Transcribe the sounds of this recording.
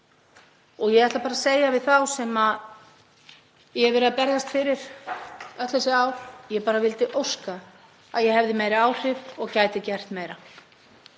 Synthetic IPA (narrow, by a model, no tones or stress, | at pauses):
ɔɣjɛɣɛht̪lapaːɾaseːjavɪðθawsɛmað | jɛɛvɛɾɪðapɛɾɣast̪fɪɾɪɾ̥ | œt̪θɛsɪaːwjɛpaːɾavɪlt̪ɪʔowska | aðjɛhɛvðɪmeːjɾɪaːwr̥ɪvɔɣcajt̪ɪcɛr̥t̪meːjɾa